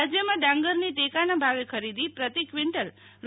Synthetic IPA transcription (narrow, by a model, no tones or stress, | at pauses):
d͡ʒjəmãɖãŋɡəɾniʈekanabʱaʋekʰəɾid̪ipɾət̪ikʋɪɳʈəl | ɾ